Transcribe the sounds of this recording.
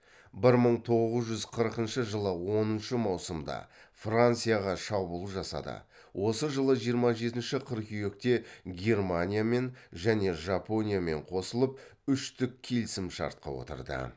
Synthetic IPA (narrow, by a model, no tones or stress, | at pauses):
bɪɾməɴt̪ʰo̞ʁəzʒʏzqʰəɾəqənʃəʒəlˠəwo̞nənʃəmɑwsəmd̪ɑ̰frant̪sɨjaʁɑʃɑbulˠəʒɑsɑ̰d̪ə̰ | wʔo̞səʒəlˠəʒijəɾmɑʒe̞t̪ɪnʃɪqʰəɾkʏjek̚t̪e̞ɡʲe̞rmanʲijame̞nʒæne̞ʒapo̞nʲijame̞̰ɴqʰo̞səlˠəp̚ʏʃt̪ʏkʲʰːe̞lsɪmʃɑ̰ɾt̪̚qɑ̰wo̰t̪ə̰ɾd̪ə̰